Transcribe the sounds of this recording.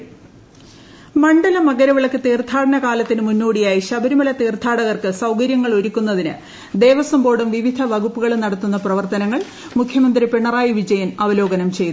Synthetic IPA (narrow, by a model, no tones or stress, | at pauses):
mɐɳɖɐlɐmɐɣɐɾɐʋiɭɐkːɨt̪iːrt̪ʰaːɽɐnɐkaːlɐt̪ːinɨmunːoːɽijaːjiɕɐbɐɾumɐlɐt̪iːrt̪ʰaːɽɐɣɐrkɨsɐwkɐɾjɐŋːɐɭo̞ɾukʲːunːɐðinɨ̰ | d̪e̞ːʋɐsɐmbo̞ːɽumʋiʋid̪ʱɐʋɐɣupːuɣɐɭnɐɽɐt̪ːunːɐprɐʋɐrt̪ɐnɐŋːɐɭ | mukʰjɐmɐnd̪ripeɳːɐraːjiʋid͡ʑɐjɐnɐʋɐlo̞ːɡɐnɐmt͡ɕe̞jt̪ːu